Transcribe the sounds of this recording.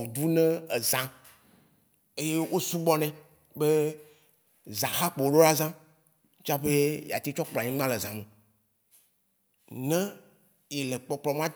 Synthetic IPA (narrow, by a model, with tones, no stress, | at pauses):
d̪u˦nɛ̃˦e˨zã˨ | e˦je˦wo˦su˦ɡ͡bɔ˦nɛ̃˨ | be˦ | zã˨xa˦k͡pe˨o˨ɖo˦ɾa˦zã˦ | t͡ʃa˦ɸe˦ja̰˨t̪i˦t͡ʃɔ˦k͡plɲĩ˦ɡ͡bã˦le˨zã˨me˨ | nɛ̃˦ | je˨le˨k͡pɔ˨k͡plɔ˨m˦ã˦